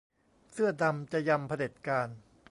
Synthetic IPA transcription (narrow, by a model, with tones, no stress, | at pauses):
sɯ˥˩ɐda˧mt͡ɕa˨˩ja˧mpʰa˧de˨˩t̪̚kaː˧n